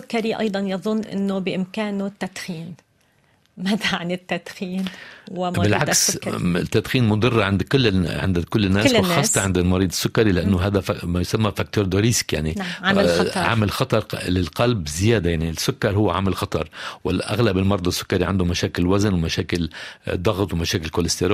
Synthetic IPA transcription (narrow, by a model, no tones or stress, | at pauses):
ʊkːaɾiʔɑ̰jd̪ˤɑnjɑðˤʊnːʔɪ̰nːobɪʔɪmkaːnʊt̪ːat̪xiːn | mat̪aʕanɪt̪ːad̪xiːnwwɪmbɪlʕaksɪt̪ːat̪xiːnmʊd̪ˤɨrˤːʕɪnd̪kʊlːʕɪ̰nd̪kʊlːɪnːaːslːxɑːsːt̪ɑʕɪnd̪ɪlmɑɾiːd̪ˤɪsːʊkːaɾilɪʔanːʊɦaːd̪amajʊsamːafak̚t̪oːɾˤd̪oɾiːskja̰ʕniʕaʕa̰mɪlxɑt̪ˤɑɾˤlɪlqɑlbzɪjaːd̪ajaʕnisːʊkːɑɾˤhʊwːaʕa̰mɪlxɑt̪ˤɑɾˤwɪ̰lʔa̰ɣlabɪlmɑɾˤd̪ˤɑsːʊ̥kːaɾiʕand̪ʊmaʃaːkɪlwaznwɪmaʃaːkɪld̪ˤɑɣt̪wɪmaʃaːkɪlkoːlɪst̪eɾː